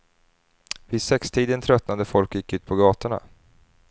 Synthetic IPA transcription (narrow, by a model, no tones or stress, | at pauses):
vɪd̪sɛkst̪ʰiːd̪ənt̪ʰɾœt̪nand̪əfɔlkjɪkːʉ̟ːt̪̚pʰɔɡɑːt̪əɳa̰